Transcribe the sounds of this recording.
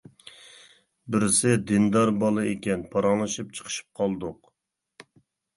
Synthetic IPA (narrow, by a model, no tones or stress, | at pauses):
bɪɾsɪd̪ɪnd̪ɑɾbɑlˠɨekʲɛnpʰɑɾɑŋlˠɨʃɨp̚t͡ʃʰə̥qʰə̥ʃɨ̥p̚qʰɑlˠd̪ʊq